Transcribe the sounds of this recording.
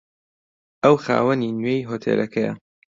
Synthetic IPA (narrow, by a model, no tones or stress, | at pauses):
ʔɐwxa̰ːwɐninɥejɦoːt̪ʰḛːlʔɐkʰɐjɐ̰